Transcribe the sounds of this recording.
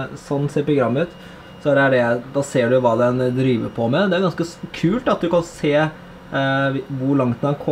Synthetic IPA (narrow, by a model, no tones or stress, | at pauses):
sɔnːseːɾpɾʊɡɾɑmːəʉːt̪ | sɔd̪ɛæɖɛd̪ɑːseːɖʉʋɑːd̪ɛnd̪ɾiːʋə̰pʰɔmɛd̪ɛæɾɡɑnskəkʰʉːlt̪ɑt̪̚d̪ʉkɑnseː | ʋʊɾɭɑŋt̪̚d̪ɛnkʰɔ